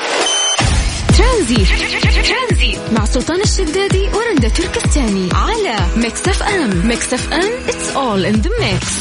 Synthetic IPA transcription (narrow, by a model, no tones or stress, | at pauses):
t̪ɾanziːt̪t̪ɾanziːt̪maʕsˤːʊlt̪ˤɑːnɪʃːad̪ːaːd̪iwɪɾˤand̪at̪ʊɾkat̪ːaːniʕalamaksafʔammaksafʔamʔɪt̪sʔoːlʔɪnd̪ɪmːek